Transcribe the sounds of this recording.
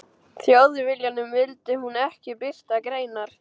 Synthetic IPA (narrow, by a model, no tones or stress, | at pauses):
θjaːwðʏvɪljanʏmvɪlt̪ɪhunɛhcɪpɪr̥t̪akɾeːjnaɾ̥